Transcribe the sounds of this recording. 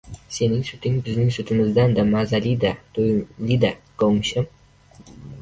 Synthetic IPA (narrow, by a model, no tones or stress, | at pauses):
se̞nɪŋsʊt̪ʰɪŋbɪznɪŋsʊt̪ʰɪmɪzd̪and̪amazalid̪at̪ʰolid̪aɡ̥ɒwmʃɪm